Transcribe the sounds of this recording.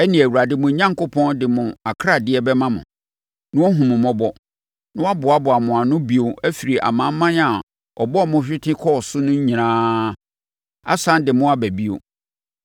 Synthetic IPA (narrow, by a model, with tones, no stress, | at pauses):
ɛ˦nĩ˨æ˨wu˨ɾa˨dɪ˦mʊ̃˨ɲã˦ŋko˦pʰɔ̃˦ndɪ˨mʊ̃˨a˨kʰɾa˦˨dɪ˦ɛ˦bɛ˦mã˦mʊ̰̃˨ | nʊ̃˦ɔ˦ɦũ˨mʊ̃˨mɔ̃˦bɔ˦ | nʊ̃˦wa˦bʊ˨a˨bʊ˨a˨mʊ̃˨a˨nʊ̃˦bi˨o˨æ˦fi˨ɾi˨ʔa̰˨mã˨˦m˦mã˦na˨ | ɔ̰˨bɔ˦˨mʊ̃˦ɕᶣɪ˦tʰɪ̃˦kʰɔ˦˨sʊ˦nʊ̃˦ɲ̩˦ɲĩ˨ɾãː˦ | a̰˦sã˦ndɪ˨mʊ̃˦a˦bæ˨bi˦o̰˨